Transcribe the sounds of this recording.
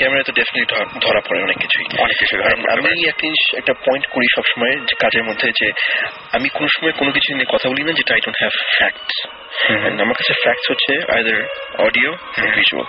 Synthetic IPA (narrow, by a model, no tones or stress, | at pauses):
kɛmeɾat̪oɖefineʈlid̪ʱɔɾapɔɾeɔnekːit͡ɕʰuḭɔnekkːit͡ɕʰuid̪ʱɔɾɛna̰miɛk̚ʈiʃɛk̚ʈapɔjnʈkoɾiʃɔbʃɔmɔekad͡ʑeɾmod̪ʱːed͡ʑe | amikonoʃɔmɔekonok̬it͡ɕʰuinekɔt̪ʰabolinad͡ʑeʈaajɖõnʈɦɛvfɛk̚ʈs | ɛ̰namaɾkat͡ɕʰefɛk̚ʈshotːɕʰea̰jd̪əɾɔ̰ɖiooviʃṵa̰l